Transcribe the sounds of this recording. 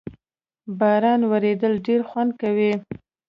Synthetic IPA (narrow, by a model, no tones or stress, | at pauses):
bɑɾɑnwaɾed̪əlɖeɾxwand̪̚kawi